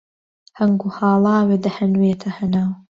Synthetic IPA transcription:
hɐŋɡuhɑːlˠɑːwed̪ɐhɐnweːt̪ʰɐhɐnaːw

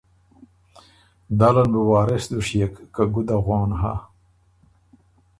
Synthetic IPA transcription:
d̪alɐnbiwaːɾesd̪uʂjekːaɡud̪aɣoːnɦa

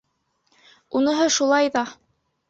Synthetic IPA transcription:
unɤ̆ɦɤʃulˠɑjðɑ

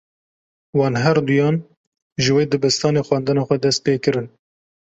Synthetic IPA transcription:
wɑːnɦɛɾd̪ujɑːn | ʒɨweːd̪ɨbɨst̪ʰɑːneːxwɑːnd̪ɨnɑːxʷɛd̪ɛst̪̚peːkɨɾɨn

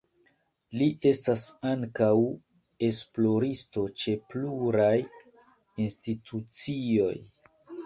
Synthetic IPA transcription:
liʔe̞stasaŋkaw | e̞splo̞ɾisto̞t͡ʃe̞pluɾaj | institʰut͡sio̞̰j

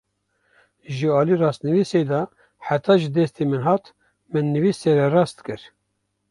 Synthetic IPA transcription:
ʒɨɑːliːrɑːst̪nɨviːsed̪ɑː | ħat̪ʰɑːʒɨd̪ɛst̪emɨnɦɑːt̪ | mɨnːɨviːseɾɛrɑːst̪kɨɾ

